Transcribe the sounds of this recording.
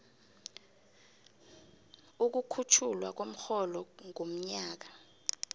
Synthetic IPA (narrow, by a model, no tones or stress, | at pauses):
uk̬ukʰut͡ʃʰulwa̰k̬om̩xɔlɔŋom̩ɲaːk̬ḁ